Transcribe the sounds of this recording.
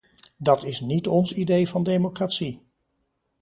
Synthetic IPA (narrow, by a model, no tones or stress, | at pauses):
dɑtɪsnitɔnsidejvɑndejmokraːtsi